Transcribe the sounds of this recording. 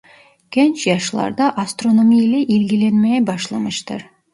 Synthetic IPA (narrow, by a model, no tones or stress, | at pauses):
kʲʰent͡ʃjɑʃlˠɑ̰ɾd̪ɑʔast̪ronomʲijleʔilɡʲɪlenmejbɑʃlˠɑməʃt̪ə̰ɾ